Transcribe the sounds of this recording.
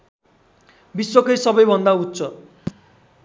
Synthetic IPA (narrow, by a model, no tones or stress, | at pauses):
biswʌkʌjsʌbʌjbʱʌnd̪aut̪sʰʌ